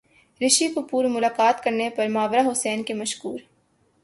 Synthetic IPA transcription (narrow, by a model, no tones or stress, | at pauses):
ɾɪʃikʊpuːɾmʊlaːkaːt̪kɐɾnepɐɾmaːʋɾaɦʊsɛːnkemɐʃkuːɾ